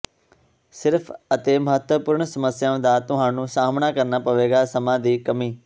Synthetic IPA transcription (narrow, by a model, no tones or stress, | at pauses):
sɪɾpʰət̪eːməɦət̪ʋəpʊɾɳsəməsɪjaːʊ̃d̪aːt̪ʊɦãːnũːsaːmnaːkəɾnaːpəʋeːɡaːsəmãːd̪iːkəmiː